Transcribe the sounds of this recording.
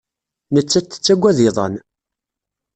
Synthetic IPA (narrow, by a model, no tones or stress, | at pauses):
nət͡sːæt̪ːə̥t͡sːæɡʷːæðɪðˤɑ̰n